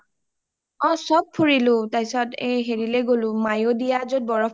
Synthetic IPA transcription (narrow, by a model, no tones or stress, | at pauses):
ɔ̃sɔb̚pʰːuɹilʊtajsɔtejɦeɹileɡolʊmajodijazot̚bɔɹɔ